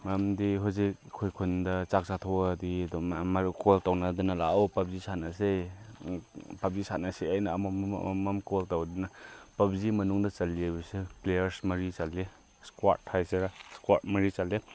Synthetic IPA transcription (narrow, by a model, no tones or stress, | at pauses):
mɐmdiɦuzik̚kʰːojkʰundɐt͡ʃak̚satʰoɐdidukoltawnɐdinɐla̰awpɐb̚zisʰanɐse | pɐp̚zisanɐseajnɐːmṵmɐmkoltawdinɐpɐp̚zimɐnuŋdɐt͡ʃɐlibɐseplejɐɾsmɐɾit͡ʃalːe | skwattʰːajseɾaskwat̚mɐɾit͡ʃalːe